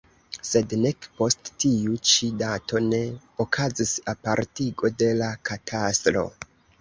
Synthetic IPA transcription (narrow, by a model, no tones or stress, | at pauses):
se̞dnekpo̞stːiut͡ʃidato̞ne̞ | okʰazisapaɾtiɡo̞de̞lakʰatʰastɾo̞̰